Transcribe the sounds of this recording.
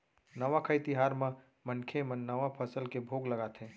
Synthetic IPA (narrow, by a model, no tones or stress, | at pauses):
nəʋakʰəjt̪iɦaːɾmẽ | mənkʰemənnːəʋapʰəsəlkebʱoɡləɡat̪ɦẽː